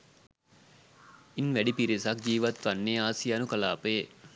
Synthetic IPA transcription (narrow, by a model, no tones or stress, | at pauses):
inʋæɖipiɾisɐk̚d͡ʒiːʋat̪ʋanːeːaːsijanukɐla̰ːpəe